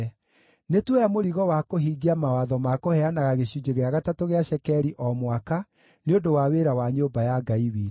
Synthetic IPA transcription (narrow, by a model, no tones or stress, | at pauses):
netwejamoɾiɣɔwakoɦiɡiamawaðɔmakohɛanaɣaɣeɕud͡ʑeɣeaɣatatoɣeaɕɛkɛɾiʔɔmwaka | neodowaweɾawaɲoːbajaɡaiwiːɾ